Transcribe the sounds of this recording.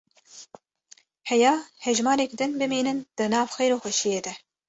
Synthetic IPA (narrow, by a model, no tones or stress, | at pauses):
hɛjɑːhɛʒmɑːɾɛkd̪ɨnbɨmiːnɨnd̪̥ɨnɑːvxejɾoːxʷɛʃijeːd̪ɛ